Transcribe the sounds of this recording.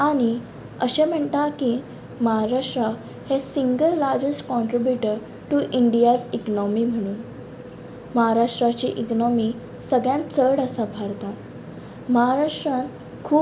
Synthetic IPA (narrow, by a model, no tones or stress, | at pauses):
aɽ̃i | əɕem̤əɳt̪aki | məɦaɾaʂʈɾa | hesiŋɡəlːaɾd͡ʑesʈkɔ̃ɳʈɾibjuʈəɾ | ʈuʔiɳɖijad͡ziknɔmiːm̤əɽ̃uːn | məɦaɾaʂʈɾat͡ɕḭʔiknɔmiː | səɡɭjãnt͡səɽəsabʱaɽt̪at̪ | məɦaɾaʂʈɾãn | kʰuː